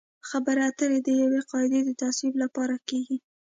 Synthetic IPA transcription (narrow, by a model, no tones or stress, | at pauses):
xabəɾat̪əɾed̪əjaweqɑɪd̪ed̪ət̪aswiblapɑɾakeɡi